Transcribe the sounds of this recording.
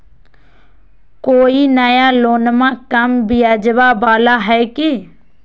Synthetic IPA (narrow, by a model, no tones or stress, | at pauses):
koːinəjaːloːnmãːkəmbɪjad͡ʒʋaːbaːlaɦɛːki